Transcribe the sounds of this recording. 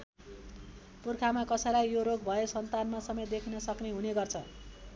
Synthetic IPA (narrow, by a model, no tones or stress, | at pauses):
purkʰamakʌsʌjlajjoɾoɡbʱʌesʌnt̪anmasʌmet̪̚d̪ekʰinʌsʌkneɦuneɡʌrt͡sʰʌ